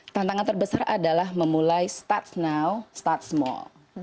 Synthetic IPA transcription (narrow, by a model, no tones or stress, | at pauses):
t̪ant̪aŋant̪ərbəsaradalahməmulajst̪at̪snawst̪at̪̚smɔ̰l